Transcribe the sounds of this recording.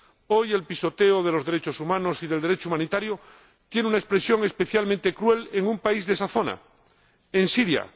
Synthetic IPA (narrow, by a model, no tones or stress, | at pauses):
o̞je̞lpiso̞t̪eoð̞e̞lo̞zðeɾe̞t͡ʃo̞sumãno̞siðe̞ld̪eɾet͡ʃoumãnit̪aɾjo | t̪je̞neunaespɾe̞sjo̞ŋe̞speθjalmẽnt̪e̞kɾwe̞leŋũmpaizðesaθo̞na̰ | ensiɾja̰